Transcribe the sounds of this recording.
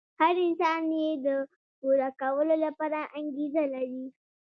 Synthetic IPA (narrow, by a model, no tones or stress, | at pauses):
haɾɪnsaːnjeda | ɡoːɽakawɐlolapaɽaŋʔaŋɡʲizalaɾiː